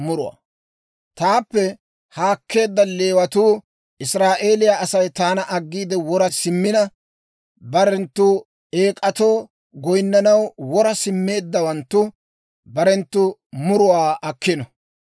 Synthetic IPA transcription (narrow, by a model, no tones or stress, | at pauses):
mʊɾʊwa̰ː | t̪aːpːɛ | haːkːe̞ːd̪ːɐle̞ːwɐt̪uː | ʔɪsɾaːʔe̞ːlɪjaːʔɐsɐjt̪aːnɐʔɐɡːiːd̪ɛwɔɾɐsɪmːɪnɐ | bɐɾɛnt̪ːuː | eːkʼɐt̪o̞ː | ɡɔjnːɐnɐwwɔɾɐsɪmːe̞ːd̪ːɐwɐnt̪ːʊ | bɐɾɛnt̪ːʊmʊɾʊwaːʔɐkʰːɪnɔ